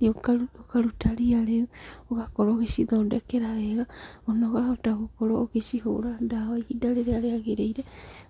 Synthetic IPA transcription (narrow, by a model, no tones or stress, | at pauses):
okaokaɾutaɾiaɾeuoɣakoɾoːɣeʃiðodekeɾaeɣaonoɣaotaɣukoɾoːɣeʃiɦṵɾandaβaihidaleɾeaɾeaɣeɾeiɾe